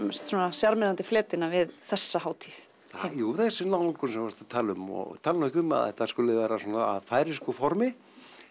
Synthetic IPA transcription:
st̪sɔːnasjaɾmɛðant̪ɪflɛːt̪ɪnavɪðθɛsːahaːwt̪ʰiθ | θajuːθɛsːɪnaw̪ŋkʏnsɛmvast̪at̪ʰaːlʏmɔ̰ɣt̪ʰaːlnɛcʏma̰ðɛ̰ht̪askʏlɪvɛːɾasɔːna̰ːðfaːjɾɪskɔfɔɾmɪ

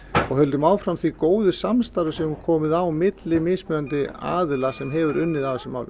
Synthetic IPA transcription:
ɔɣhœlt̪ʏmaːwfɾamθikoːwðʏsamst̪aɾʏsɛmkʰɔːmɪðawmɪt̪lɪmɪːsmʏðant̪ɪa̰ːðlasɛmɦɛvʏɾʏnːɪðaðsɛmawv

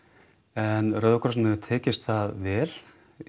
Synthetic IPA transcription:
ɛnɾœðkʰɾɔsnmɪðʏt̪ʰɛːcɪst̪θaðvɛːl̥

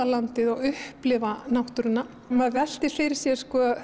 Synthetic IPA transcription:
alant̪ɪðaɣʏhplɪvanawht̪ʏɾɪnːa | maðvɛl̥t̪ɪfɪjɾɪɾ̥sjɛskɔː

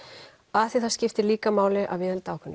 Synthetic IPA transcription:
aθiθḁscɪft̪ɪɾliːkamaːwlɪʔa̰vvɪːðəlt̪aːwkʰʏnː

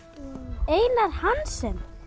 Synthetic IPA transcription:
eːjnaɾ̥hansɛm

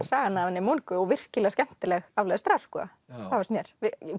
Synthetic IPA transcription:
saːɣanːavanːɪmonkʏɔɣvɪr̥cɪlɛaskɛm̥t̪ɪlɛɣavlaɛðɪst̪ɾaskɔa̰ | avast̪mjɛɾ̥vɪ

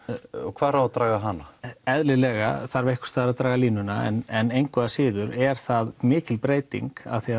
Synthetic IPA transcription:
ɔ̰ɣkʰv̥aːðɾawvaðt̪ɾaːɣaɦanːaɛðlɪlɛːɣaθaɾvehkʏ̥t̪aːðɾaðt̪ɾaːɣaliːnʏnaɛ̰nɛnejnkʰvɛðasɪːðʏɾɛɾ̥θaðmɪːcɪlpɾeːjt̪ḭŋka̰ðθia

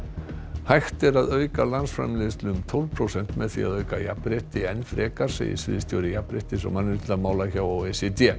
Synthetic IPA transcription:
hajxt̪ɛɾaðœɥkalansfɾa̰mlɪːðst̪lʏmt̪ʰowlpʰɾowsɛn̥t̪mɛðθḭa̰ðœɥkajapːɾeht̪ɪɛnːfɾɛːkaɾ̥sɛ̰ḭsvɪ̰ðst̪jo̰wɾɪjapɾɪht̪ɪsɔ̰manːɪt̪amaːwlaçaːwawesɛt̪ɛ

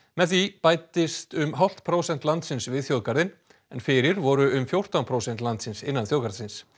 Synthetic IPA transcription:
mɛðθipaːjt̪ɪst̪ʏmɦawl̥t̪pʰɾowsɛn̥t̪lant̪sɪnsvɪðθjowðkaɾðɪn | ɛnfɪɾɪɾvɔɾʏʏmfjowr̥t̪awnpʰɾowsɛn̥t̪lant̪sɪnsɪnːanθjowkaɾsɪns

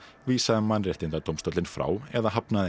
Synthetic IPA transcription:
viːsaðɪmːanrɛht̪ɪnt̪at̪owmst̪ɔwt̪lɪnfɾa̰ːwɛðaɦapnað

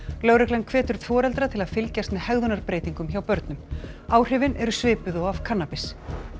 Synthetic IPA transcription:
lœwɾɛklɛnkʰvɛːt̪ʏɾ̥θɔːɾɛlt̪ɾat̪ʰɪlaðfɪlcast̪mɛðhɛɣðʏnaɾpɾeːjt̪iŋkʏmçawpœɾt̪nʏmaːwr̥ɪːvɪnʔɛɾʏsvɪːpʏðɔɣav̥kʰanːapɪs

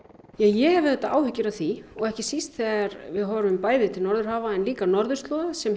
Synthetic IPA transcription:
jɛɣjɛhɛvɪðɛt̪ːaʔaːwhʏcːɪɾaðθiɔɣɛhcɪsist̪θɛaɾvɪðɦɔɾʏmpaːjðɪt̪ʰɪlnɔɾðʏɾ̥haːvaɛnliːkanɔɾðʏɾ̥st̪lɔːðasɛm

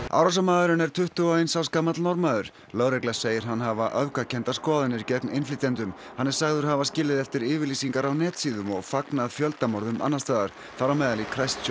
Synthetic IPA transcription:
a̰ːwɾas̬amaːðʏɾʏnɛɾ̥t̪ʰʏht̪ʏɔajnsawskaːmat̪lnɔɾmaðʏɾ̥ | lœːwɾɛklḁseːjɪɾɦanːɦavaʔœvkacʰɛnt̪askɔːðanɪɾcɛknɪjnflɪt̪ɛnt̪ʏm | hanːɛɾ̥saɣðʏɾ̥havascɪːlɪðɛft̪ɪɾɪːvɪɾliːsiŋkaɾawnɛːt̪siːðʏmɔɣfaknaðfjœlt̪amɔɾðʏmʔa̰nːast̪aːðaɾ̥ | θaɾamɛːðalikʰɾajst̪s

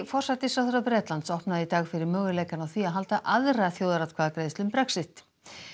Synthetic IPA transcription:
fɔr̥sat̪ɪsfɾawθœɾapɾɛːt̪lant̪sɔhpnaðɪit̪aːɣfɪɾɪɾmœːɣɪlejkanawθiaðɦalt̪aʔaðraθjoːwðaɾat̪kʰvaːðkɾeːjðst̪ʏmpɾɛksɪht̪

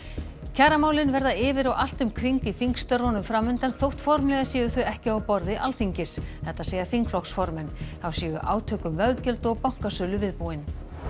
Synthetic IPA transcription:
cʰaːɾamaːwlɪnvɛɾðaɪːvɪɾawʔal̥t̪ʏmkʰɾiŋkiθiŋkst̪œɾvɔnʏmfɾaːmʏnt̪anθowht̪fɔɾmlɛɣasiːjʏθœɥɛhcɪawpɔɾðɪʔalθiɲcɪsθɛht̪aseːjaθiŋkflɔksfɔɾmɛnθawsiːjʏʔa̰ːwt̪ʰœːkʏmvœɣcɛlt̪ɔɣpawŋ̥kasœːlʏvɪðpuːɪn

